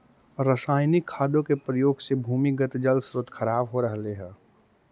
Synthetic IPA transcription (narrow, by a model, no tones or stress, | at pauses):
ɾəsaːɪnikʰːaːd̪õkepɾəjoːɡsebʱuːmiɡət̪d͡ʒəlsɾʊt̪kʰəɾaːbɦoɾəɦleɦɛ̃ː